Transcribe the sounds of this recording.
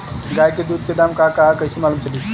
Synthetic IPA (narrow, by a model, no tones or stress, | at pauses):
ɡajked̪ud̪̚ked̪amkakaɦkəjsemalumt͡ʃəli